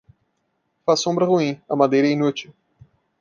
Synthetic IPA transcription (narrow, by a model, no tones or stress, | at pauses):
fasõmbɾɐʁuĩɐmad̪ejɾɐĩnut͡ʃɪ